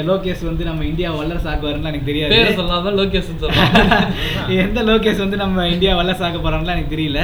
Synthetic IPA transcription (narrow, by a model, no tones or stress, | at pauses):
loːkeːʂʋɐnd̪ɯnɐmːɐɪɳɖɪjaːʋɐɭːɐɾsaːkːɐʋɐɾɯːŋɡɐlaːɛnɐkːɯt̪ɛɾɪjaːpeːɾɐsɔlːaːt̪ãloːk̬eːsɐnsɔ | ɛnd̪ɐloːk̬eːʂʋɐnd̪ɯnɐmːɐɪɳɖɪjaːʋɐɭːɐɾsaːkɐpːoːɾɐːŋɡɐlãːɛnɐkːɯt̪ɛɾɪjɪlːɐ